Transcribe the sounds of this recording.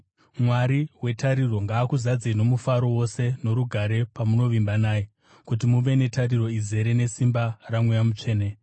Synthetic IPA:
mwaɾiwe̞taɾiro̞ŋɡaːkuzad͡zino̞mufaɾo̞wo̞se̞no̞ɾuɡʱaɾe̞pamuno̞ʋimbanaːje | kut̬imuʋe̞ne̞tariro̞ize̞ɾe̞ne̞simbaramwujamut͡ʂe̞ːne

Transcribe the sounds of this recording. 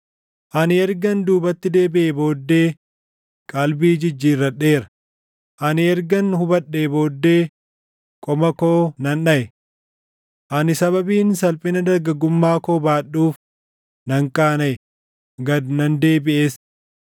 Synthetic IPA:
ʔɐnɪɛɾɡɐnd̪uːbɐt̪ːɪd̪e̞ːbɪʔebo̞ːd̪ːe̞ː | kʼɐlbiːd͡ʒɪd͡ʒːiːrːɐᶑe̞ːɾɐ̥ | ʔɐnɪɛɾɡɐnhʊbɐɗːe̞ːbo̞ːd̪ːe̞ː | kʼɔmɐkoːnɐnᶑɐʔɛ | ʔɐnɪsɐβɐbiːnsɐlpʼɪnɐd̪ɐɾɡɐɡʊmːaːkoːbaːɗːuːf | nɐŋkʼaːnɐʔɛ | ɡɐd̪nɐnd̪e̞ːbɪʔe̞ːs

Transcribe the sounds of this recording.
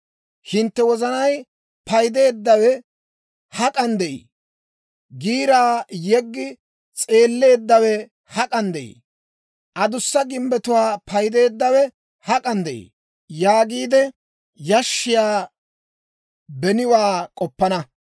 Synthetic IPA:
hɪnt̪ːɛwɔzɐnɐj | pɐjd̪e̞ːd̪ːɐwɛ | hɐkʼɐnd̪ɛʔḭː | ɡiːɾaːjɛɡːɪ | t͡sʼe̞ːlːe̞ːd̪ːɐwɛ | hɐkʼɐnd̪ɛʔḭː | ʔɐd̪ʊsːɐɡɪmbɛt̪ʊwaːpʰɐjd̪e̞ːd̪ːɐwɛ | hɐkʼɐnd̪ɛʔḭ | jaːɡiːd̪ɛ | jɐʃːɪjaː | bɛnɪwaːkʼɔpːɐnɐ

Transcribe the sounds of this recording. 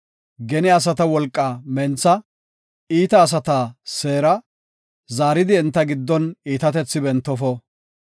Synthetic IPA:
ɡɛnɪɐs̬ɐt̪ɐwɔlkʼːaːmɛnt͡sːɐ | iːt̪ɐːs̬ɐt̪aːse̞ːɾɐ | zaːɾɪd̪ɪɛnt̪ːɐɡɪd̪ːɔniːt̪ɐt̪ɛt͡sːɪbɛnt̪ːɔfɔ

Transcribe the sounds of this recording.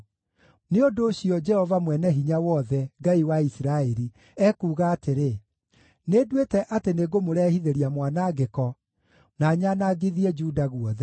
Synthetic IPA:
neondoːɕiɔd͡ʒɛhɔvamwɛnɛɦiɲawɔðɛŋɡaiwaisiɾaɛɾi | ɛkuːɣaːteɾe | nedwetɛʔateneɡomoɾɛːhiðeɾiamwanaɡekɔ | naːɲanaɡeðiɛd͡ʒuːdaɣuɔðɛ

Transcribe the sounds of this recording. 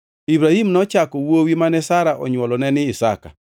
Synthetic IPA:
ibɾahimnɔt͡ʃakɔwowimanɛsaɾaʔɔ̰ɲwɔlɔnɛnɪɪsa̰ka̰

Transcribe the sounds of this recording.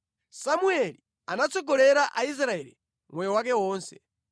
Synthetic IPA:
samuɛli | anat͡sɔɡɔlɛɾaʔais̬ɾaɛli | mwɛjɔwak̬ɛwɔːnsɛ̥

